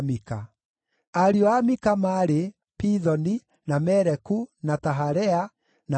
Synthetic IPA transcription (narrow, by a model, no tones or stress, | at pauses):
mika̰ | aɾiɔamikamaɾe | piðɔni | namɛɾɛkunataɦaɾɛa | na